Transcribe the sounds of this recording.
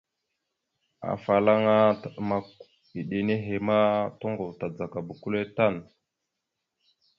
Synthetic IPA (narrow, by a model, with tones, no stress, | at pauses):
a̰˨fa˨la˦ŋa˦a˨ma˨ | i˨ɗe˨ne˦ɦe˨ma˦to˦ŋɡo˨vta˨d͡za˨ka˨bu˨ku˦le˦ta˦˨n